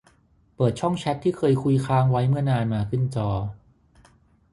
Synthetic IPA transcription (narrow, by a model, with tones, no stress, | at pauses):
pɤː˨˩t̪̚t͡ɕʰɔ˥˩ŋt͡ɕʰɛ˦˥t̪ʰːiː˥˩kʰɤː˧jkʰu˧jkʰaː˦˥ŋwa˦˥jmɯ˥˩ɐnaː˧nmaː˧kʰɯ˥˩nt͡ɕɔː˧